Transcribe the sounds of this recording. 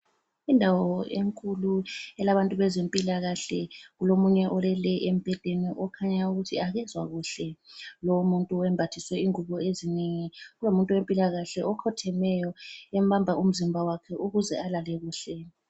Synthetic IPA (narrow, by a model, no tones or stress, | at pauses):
indʱawɔeŋkʼuluɛlaβantʼuβɛzempʼilaɣaɬɛɣulomuɲɛʔɔlɛlɛʔem̩b̥ʱɛd̥ʱeniʔɔkʰaɲauɣutʰiaɣɛzwa̰ɣuɬɛlɔmuntʼuɛmbʱatʰiswɛiŋuβɔezineŋiɣulomuntʼuwempʼilaɣaɬɛʔɔkʰɔtʰɛmɛjɔɛm̩bambʱaʔum̩zimbʱawakʰɛʔuɣuzɛalalɛɣuːɬɛ